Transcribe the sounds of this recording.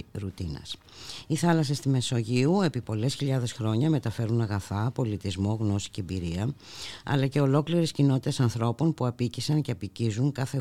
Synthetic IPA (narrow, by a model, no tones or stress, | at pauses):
ɾut̪inɐ̰s | iθɐlɐse̞st̪ime̞so̞ʝiue̞pipo̞le̞sçiʎɐðe̞sxɾo̞ɲɐme̞t̪ɐfe̞ɾunɐɣɐθɐpo̞lit̪izmo̞ɣno̞si̥ceːbiɾiɐ | ɐ̰lɐce̞o̞lo̞kliɾe̞scino̞t̪it̪e̞sɐnθɾo̞po̞npuɐpicisɐnceɐpicizuŋkɐθe̞